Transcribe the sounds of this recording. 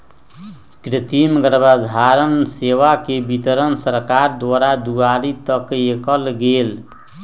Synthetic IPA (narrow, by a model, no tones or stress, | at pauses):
kɾit̪imɡəɾbad̪ʱaɾənseʋakebit̪əɾənsəɾkaɾd̪ʋaɾad̪uaɾit̪əkekəlɡel